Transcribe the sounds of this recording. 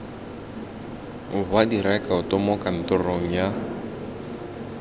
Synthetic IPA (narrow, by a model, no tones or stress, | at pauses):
bwadiɾɛkʼaʊtʼɔmɔkʼan̩tʼɔroŋ̩ja